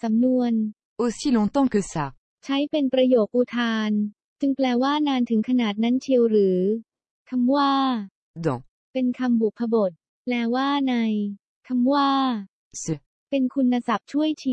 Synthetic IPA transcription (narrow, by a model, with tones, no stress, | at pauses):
sa˩˦mnu˧ən | ʔo˧siː˥˩lo˧˥ŋt̪ɔ˥˩ŋkɯ˧sa˨˩k̚ | t͡ɕʰa˦˥jpe˧npɾa˧joː˨˩k̚ʔu˧t̪ʰaː˧n | t͡ɕɯ˧ŋplɛː˧waː˥˩naː˧nt̪ʰɯ˩˦ŋkʰa˧naː˨˩t̪̚na˦˥nt͡ɕʰi˧wɾɯː˩˦ | kʰa˧mwaː˥˩ | d̪ɔ̰̃˨˩ | pe˧nkʰa˧mbu˨˩k̚pʰːa˧bo˨˩t̪̚ | lɛː˦˥waː˥˩na˧j | kʰa˧mwaː˥˩ | sɯ˧˩ | pe˧nkʰu˧nːa˧sa˨˩p̚t͡ɕʰu˥˩əjt͡ɕʰi˧